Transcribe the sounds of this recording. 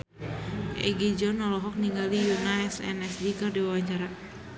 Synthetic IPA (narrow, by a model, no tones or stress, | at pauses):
ʔɛ̰ɡid͡ʒɔnɔlɔɦɔk̚niŋɡalijunaɛsɛ̰nɛsdikɨrdiwawaɲt͡ʃaɾa